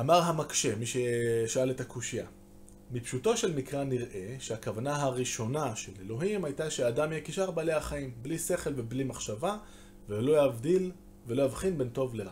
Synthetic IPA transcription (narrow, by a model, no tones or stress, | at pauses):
ʔamaʁɦamakʃe̞miʃeʃaaletakuʃija | mipʃuto̞ʃe̞lmikʁaniʁʔe̞ʃeakavanaɦaʁiʃo̞naʃe̞lelo̞ɦimajtaʃeadamjekiʃaʁbaleaχaimblise̞χe̞lve̞blimaχʃava | velo̞javdil | velo̞javχinbe̞nto̞vleʁa